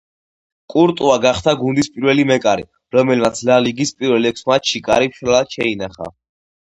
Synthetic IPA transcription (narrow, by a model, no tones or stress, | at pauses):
kʼuɾt̪ʼuaɡaχd̪ʰaɡund̪ispʼiɾvɛlimɛkʼaɾḭ | ɾɔmɛlmat̪sʰlaliɡispʼiɾvɛlɛkʰsmat̪ʃikʼa̰ɾipʃɾɛlad̪ʃɛinaχa̰